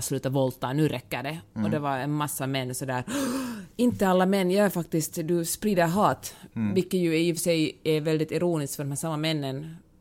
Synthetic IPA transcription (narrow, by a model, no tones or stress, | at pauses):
slʉ̟ːt̪avɔlt̪anʉːɾʔɛkːəɖɛɔd̪ɛvaɾɛnmasːamɛnːsɔd̪æːɾ | ɪnt̪əalːamɛnːjɑːæɾfak̚t̪ɪst̪d̪ɵspɾiːd̪əɾɦɑːt̪vɪlkːət̪jʉɛjɪfsɛjɛɾvɛld̪ɪt̪ɪɾuːnɪskfœɾdɔmhæːsamːamɛnːən